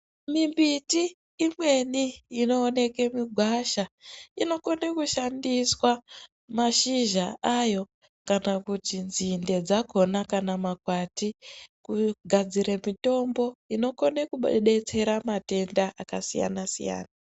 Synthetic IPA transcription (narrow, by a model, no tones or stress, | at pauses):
mimbitiː | mwe̞niːno̞ːne̞ke̞miɡʱwaʃaino̞konekuʃandiswa | maʃiʒaʔajo̞ | kanakutinzinde̞d͡zako̞nakanamakwatikuɡʱad͡ziɾemito̞mbo̞ino̞ko̞ne̞kuɓo̰ɗe̞t͡se̞ɾamate̞ndaʔakasija̰nasḭja̰ːna